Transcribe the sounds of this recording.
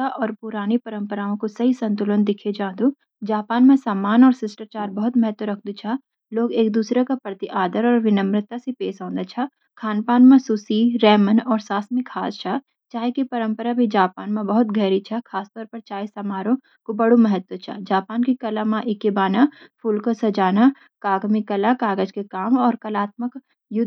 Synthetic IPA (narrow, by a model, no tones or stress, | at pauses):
aʔɔːɾpʊɾaːnepɐɾə̃mpəɾaːõkosɐɦisɐ̃nt̪ʊlənd̪ɪkʰed͡ʒãːd̪u | d͡ʒaːpaːnmẽsaːmaːnɔːɾsɪsʈat͡ʃaːɾbɐɦʊt̪mɐɦət̪wəɾɐkʰd̪ut͡ʃʰa | loːɡeːk̚d̪uːsɾakapɾət̪ɪʔaːd̪əɾɔːɾʋɪnə̃mɾɪt̪asepeːsɦãːnd̪at͡ʃʰa | kʰaːnpaːnmãsusiɾɛːmənɔːɾsaːsmɪkʰːaːst͡ʃʰa | t͡ʃaːɦekipɐɾə̃mpəɾabʱid͡ʒaːpaːnmãbɐɦʊt̪ɡʱɛːɾit͡ʃʰɐkʰaːst̪ɔːɾpɐɾt͡ʃaːɦesɐmaːɾõ | kobɐɽoməɦət̪wət͡ʃʰa̰d͡ʒaːpaːnkikɐlamãʔɪkebaːnapʰuːlkosɐd͡ʒaːna | kaːɡmikɐlakaːɡəd͡ʒkekaːmɔːɾkɐlaːt̪̚mək | jʊd̪ʱ